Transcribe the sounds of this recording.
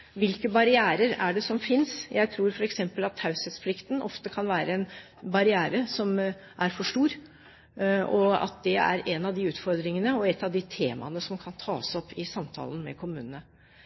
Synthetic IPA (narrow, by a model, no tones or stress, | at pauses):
ʋɪlkəbɑɾɪæːɾəɾæɖɛsɔmfɪnsjʔæɪt̪ʰɾuːɾfɔɾɛksɛmpəlɑt̪hɑʉsɛt̪spʰlɪkt̪n̩ʔɔft̪əkʰɑnʋæːɾəɛn | bɑɾɪæːɾəsɔm | ʔæɾfɔʂʈuːɾ | ʔɔɑ̰t̪̚d̪ɛæ̰ɾɛnɑʋd̪ɪʉːt̪fɔɾd̪ɾɪŋənəɔɛt̪ːɑʋd̪ɪt̪ʰeːmɑ̰nəsɔmkʰɑnt̪ʰɑːsɔpːɪsɑmt̪ʰɑ̰ːlən̩mɛ̰kʰʊmʉːnənə